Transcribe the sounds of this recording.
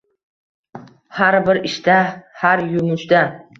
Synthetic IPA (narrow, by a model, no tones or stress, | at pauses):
haɾbɪɾɪʃd̪ahaɾjʊmʊʃd̪a